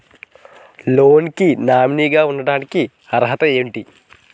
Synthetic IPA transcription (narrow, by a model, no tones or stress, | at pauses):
loːnkinaːminiːɡaːunːɐɽaːniki | ɐɾɦɐt̪ɐeːʋɳʈi